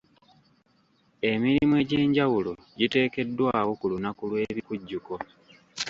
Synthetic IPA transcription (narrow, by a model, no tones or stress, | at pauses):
e̞miɾimue̞ːɟeːɲɟawulo | ɟite̞ːke̞dːwaːwo̞kulunakulwe̞ːβikuɟːuko̞